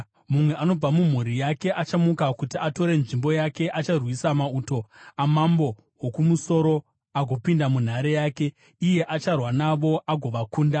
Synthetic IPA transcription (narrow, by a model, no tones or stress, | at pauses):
mumwe̞ʔano̞b͡vamum̤uɾijake̞ʔat͡ʃamukakutiato̞ɾe̞nʐimbo̞jake̞ʔat͡ʃarwisamauto̞amambo̞ | wokumuso̞ɾo̞ | aɡʱo̞pindamun̤aɾe̞jaːke̞ | ije̞ʔat͡ʃarwanaʋo̞ʔaɡʱo̞ʋakuːnda